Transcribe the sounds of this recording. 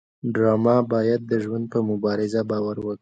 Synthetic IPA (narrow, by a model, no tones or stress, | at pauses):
ɖɾɑmɑbɑjad̪̚ːəʒwand̪̚pəmʊbɑɾɪzabɑwaɾwəki